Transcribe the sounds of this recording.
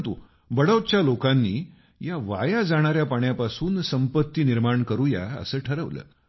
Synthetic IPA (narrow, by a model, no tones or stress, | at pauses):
t̪u | bəɽəʋt͡ɕjalokanːiː | jaʋa̰jad͡zaɽ̃aɾjapaɳjapasuːnsəmpət̪ːiːniɾmaɳkəɾuːja̰ə̰səːʈʰəɾəʋlə̰ː